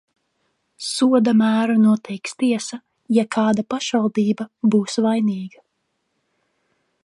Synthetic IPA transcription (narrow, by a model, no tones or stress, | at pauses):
suɔd̪amæːɾunuɔt̪ʰɛjkst̪iɛsa | jakʰaːd̪apaʃvalˠd̪iːbabuːsvajniːɡa